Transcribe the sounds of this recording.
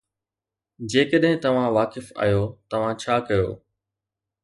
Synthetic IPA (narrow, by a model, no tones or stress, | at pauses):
d͡ʑeːkɐɗɦɪ̃t̪ɐʋ̤ãʋaːkɪfa̰ːjot̪ɐʋ̤ãt͡ɕʰaːkɐjo̰ː